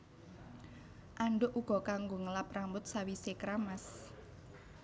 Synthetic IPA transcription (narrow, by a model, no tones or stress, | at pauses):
ʔaɳɖʊʔuɡ̥ɔ̤kaŋɡoŋəlapɾambʊt̪̚sawisekɾamas